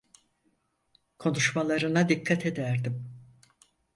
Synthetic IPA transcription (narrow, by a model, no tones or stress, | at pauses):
kʰo̞nuʃmalˠaɾɯnad̪ikʰːat̪ʰe̞d̪æɾd̪im